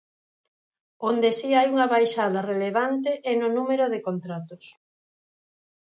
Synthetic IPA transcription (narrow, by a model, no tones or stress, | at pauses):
ond̪esiajuŋɐβajʃað̞ɐreleβant̪̬eʔɛnonumeɾoðekont̪ɾat̪os